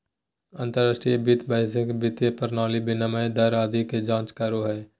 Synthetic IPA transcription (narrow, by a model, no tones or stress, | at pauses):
ɐ̃nt̪əɾːaːʃʈɾijebɪt̪bɛːɪsɪkbɪt̪jəpəɾnaːlibɪnəməẽd̪ɐɾaːd̪iked͡ʒãːt͡ʃkəɾoɦɛː